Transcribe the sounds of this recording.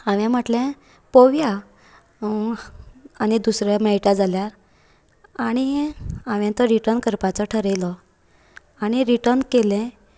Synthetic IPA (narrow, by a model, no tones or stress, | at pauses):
ãʋjãm̤əʈlɛ̃ | poʋja | añid̪usɾeməiʈad͡zaljaɾ | aɽ̃iãʋjãt̪əɾiʈəɾɳkəɾpat͡sɔʈʰəɾejlɔ | aɽ̃iɾiʈəɾnkelɛ̃